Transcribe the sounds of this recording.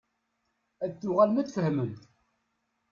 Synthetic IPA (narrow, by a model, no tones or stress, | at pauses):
æðθːʊʁælmæt͡sːfəhmənt̪